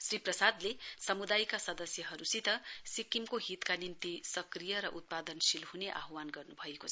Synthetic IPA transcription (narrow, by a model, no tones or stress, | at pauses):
sriprʌsad̪lesʌmud̪ajkasʌd̪ʌsjʌɦʌɾusit̪ʌsikimkoɦit̪kanint̪isʌkrijʌɾʌʔut̪̚pad̪ʌnsilɦuneʔa̰ɦwanɡʌrnubʱʌekot͡sʰ